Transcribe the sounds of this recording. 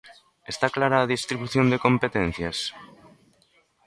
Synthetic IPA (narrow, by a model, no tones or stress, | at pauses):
est̪aklaɾaːðist̪ɾiβuθjond̪eko̞mpet̪en̟θjas